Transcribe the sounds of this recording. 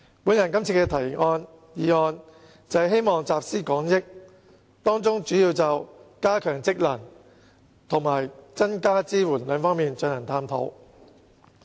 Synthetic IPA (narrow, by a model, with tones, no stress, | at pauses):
puː˨˥njɐ˨˩nkɐ˥mt͡sʰiː˧kɛ˧t̪ʰɐ˨˩jŋɔː˧n | jiː˨˧ŋɔː˧n | t͡sɐ˨˧jɦe˥jmɔː˨ŋt͡saː˨˧p̚siː˥kɔː˨˥ŋjɪ˥k̚ | t̪ɔː˥ŋt͡sʊ˥ŋt͡ʃyː˨˥jiː˧wt͡sɐ˨wkaː˥kʰœː˨˩ŋt͡sɪ˥k̚lɐ˨˩n | t̪ʰʊ˨˩ŋmaː˨˩jt͡sɐ˥nkaː˥t͡siː˥wuː˨˩nlœː˨˧ŋfɔː˥ŋmiː˨˧nt͡ʃɵ˧nhɐ˨˩t̪ʰaː˧mt̪ʰo̰˨˥w